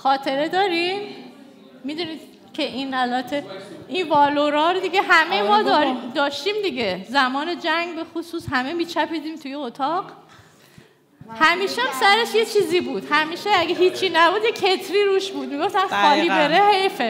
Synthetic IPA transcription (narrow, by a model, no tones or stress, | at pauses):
xɒːt̪ʰe̞ɾe̞d̪ɒːɾim | mid̪uniːd̪̥ | cʰe̞ʔinælbæt̪ʰe̞ʔinvɒːloɾɒːɾod̪iɡeɦæme̞jmɒːd̪ɒɾid̪ɒːʃt̪iːmd̪iɟe̞zæmɒːne̞d͡ʒæŋɡbe̞xosuːsɦæmemiːt͡ʃʰæpiːd̪iːmt̪ʰujeot̪ʰɒːɢ | hæmiːʃeæmsæɾe̞ʃje̞t͡ʃʰiːziːbuːd̪̥hæmiːʃeæɡeɦiːt͡ʃʰːiːnæbuːd̪jecʰe̞t̪ʰɾiːɾuːʃbuːd̪̚miɡo̞ft̪ænxɒːliːbe̞ɾe̞hejfe